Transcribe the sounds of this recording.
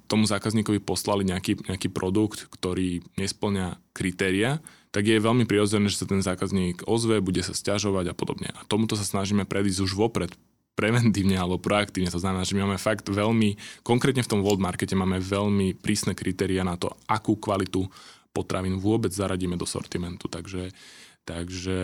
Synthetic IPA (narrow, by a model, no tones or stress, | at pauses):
t̪ɔmuzaːkazɲiːkɔʋipɔslaliɲɛakiːɲɛakiːpɾɔd̪ukt̪kt̪ɔɾiːɲɛspl̩ɲakɾit̪ɛːɾia | t̪aɡjɛʋɛʎmipɾiɾɔd͡zɛnɛːʒɛsat̪ɛnzaːkazɲiːɡɔzʋɛbuɟɛsascaʒɔʋaɟapɔd̪ɔ̰bɲɛ̰ʔat̪ɔmut̪ɔsasnaʒiːmɛpɾʔɛd̪iːzɟuʒʋɔpɾɛt̪ | pɾɛʋɛnt̪iːʊɲɛalɛbɔpɾɔakt̪iːʊɲɛt̪ɔznamɛnaːʒɛmimaːmɛfaɡt̪ʋɛʎmikɔŋkɾɛːt̪ɲɛft̪ɔmʋɔld̪maɾkɛcɛmaːmɛʋɛʎmipɾʔiːsnɛːkɾit̪ɛːɾianat̪ɔ̰akuːkʋalit̪upɔt̪ɾʔaʋiːnʋʊɔbɛd͡zzaɾaɟiːmɛd̪ɔsɔ̰ɾt̪imɛnt̪u̥t̪aɡʒɛt̪aɡʒɛ